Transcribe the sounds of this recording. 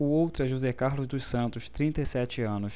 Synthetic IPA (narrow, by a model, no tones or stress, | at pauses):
ʊowt̪ɾʊɛʒuzɛkaɾlʊzd̪ʊssɐ̃nt̪ʊst̪ɾĩnt̪ɐesɛt͡ʃɪɐ̃nʊs